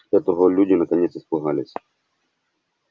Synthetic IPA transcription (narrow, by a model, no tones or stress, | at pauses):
ɛt̪əvəlʲudʲɪnɐkɐnʲet̪sɨspɨɣalʲɪsʲ